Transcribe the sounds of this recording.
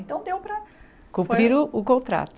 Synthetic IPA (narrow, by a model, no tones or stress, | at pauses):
nt̪ɐ̃w̃d̪ewpɾɐ | kũmpɾiɾuukõnt̪ɾa̰t̪